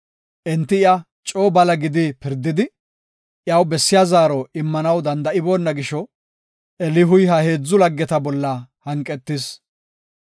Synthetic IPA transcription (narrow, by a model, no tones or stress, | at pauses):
ʔɛnt̪ːɪɪɐ | t͡ʃʼoːbɐlɐɡɪd̪ɪpɪɾd̪ːɪd̪ɪ | jɐwbɛsːɪjazaːɾɔɪmːɐnɐwd̪ɐnd̪ɐɪbo̞ːnːɐɡɪʃɔ | ɛlɪɦʊjɦɐhe̞ːd͡zːʊlɐɡːɛt̪ɐbɔlːɐhɐŋkʼːɛt̪ːɪs